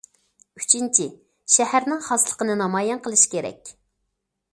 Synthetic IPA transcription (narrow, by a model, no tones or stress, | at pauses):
y̥t͡ʃʰint͡ʃʰi | ʃɛhæɾnɪŋχɑslˠə̥qənɨnɑmɑjɛnqʰəlˠɨʃkʲeɾɛ̰kʲ